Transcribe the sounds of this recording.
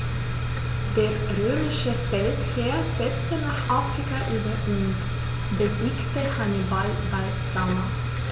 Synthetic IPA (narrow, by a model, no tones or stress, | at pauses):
d̥eːɐʁøːmɪʃəfɛltkʰeːɐz̥ɛt͡stənaːχʔafʁ̥ikaʔyːbɐʔun | bəziːktəhanibal | bal | zama